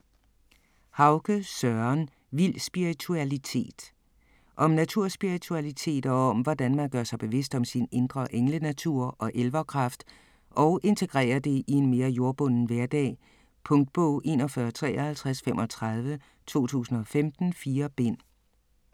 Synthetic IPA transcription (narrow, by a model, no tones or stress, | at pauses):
hɑ̈ʊɡ̥əsœɐn | ʋil̰sb̥iʁit͡sʰuælit͡sʰe̝̰ːd̥ | ʔɒ̽mnæt͡sʰuɐ̰sb̥iʁit͡sʰuælit͡sʰe̝̰ːd̥ɒɒ̽mʋɒd̥ænmænɡ̥ɶɐsɑ̈ɪb̥e̝ʋe̝sd̥ɒ̽msine̝nd̥ʁɐʔeŋlənæt͡sʰuɐ̰ɒ̽ʔelʋɐkʰʁɑ̈fd̥ | ʔɒ̽ʊʔe̝nt͡sʰe̝ɡ̥ʁɛ̰ːɐd̥e̝ʔie̝nme̝ːɐjo̝ɐb̥ɔ̽n̰n̩ʋæɐ̰d̥ɛ̰ː | pʰɔ̽ŋd̥̚b̥ɔ̰ʊ̰ʔe̝̰ːnɒ̽fɶɐt͡sʰʁɛ̰ːɒhælt͡sʰʁasfemʔɒ̽t͡sʰʁɑð̞ˠʋə | t͡sʰo̝̰ːt͡sʰṵːsn̩ɒ̽femd̥n̩fiːɐb̥e̝n̰